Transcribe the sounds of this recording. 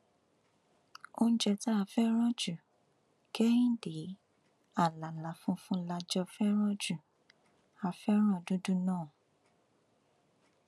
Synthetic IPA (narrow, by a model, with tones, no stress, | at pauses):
o˦ñ̩˦d͡ʒɛ˧ta˦a˧˨fɛ˦ɾ̃ɔ̃˦d͡ʒu˨ | ke˦ĩ˦de˨˦ | a˦˨la˨la˨fũ˦fũ˦la˧d͡ʒɔ˧fɛ˦ɾ̃ɔ̃˦d͡ʒu˨ | a˨fɛ˦ɾ̃ɔ̃˦˨dũ˨˦du˦nãː˦˨